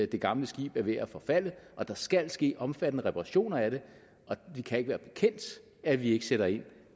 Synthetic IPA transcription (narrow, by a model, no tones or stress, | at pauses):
d̥e̝ɡ̥ɑ̈mləsɡ̥ḭːb̥æɐʋe̝æfɒ̽fæl̰əʔɒ̽d̥ɑ̈sɡ̥æl̰sɡ̥e̝̰ːʔɒ̽mfæd̥ənəʁɛpʰɑʁɑ̈ɕo̝̰ːnɐæɾ̥e̝ | ʔɒ̽ʋikʰæe̝ɡ̥ʋæːɐb̥e̝kʰen̰d̥ | æʋie̝ɡ̥ə̥seɾ̥ɐe̝n̰